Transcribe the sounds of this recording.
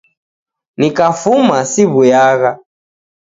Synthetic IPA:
nikafumasiβujaɣa

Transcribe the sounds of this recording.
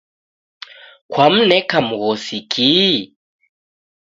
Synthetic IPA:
kʰwam̩nɛkʰamuɣɔsikʼi

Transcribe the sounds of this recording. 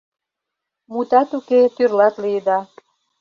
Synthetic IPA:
mut̪ɑt̪uket̪yrlɑt̪liəd̪ɑ

